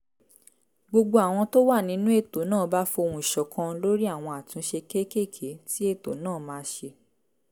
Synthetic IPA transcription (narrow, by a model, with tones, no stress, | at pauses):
ɡ͡bo˧ɡ͡bo˧a˨w̃ɔ̃˧to˦wa˦˨nĩ˨˦nũ˦e˦˨to˨˦nãː˦˨˦ba˦fo˧o˧ũ˧i˨ʃɔ˨kʰã˧lo˦ɾi˦a˦˨w̃ɔ̃˧a˨tũ˨˦ʃe˧ke˦ke˦˨kʰe˨˦ti˦e˦˨to˨˦nãː˦˨mãː˨˦ʃe˧